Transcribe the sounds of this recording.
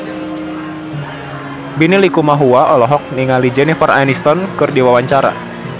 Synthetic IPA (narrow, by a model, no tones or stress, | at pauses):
binilikumaɦuaʔɔlɔɦɔk̚niŋalid͡ʒɛnifarʔa̰jnist̪ɔnkɨrdiwawaɲt͡ʃaɾa̰